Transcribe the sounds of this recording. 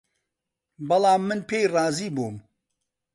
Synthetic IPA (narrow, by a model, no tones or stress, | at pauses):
bɐlˠɑːmːɨnpeːjrˤɑːziːbuːm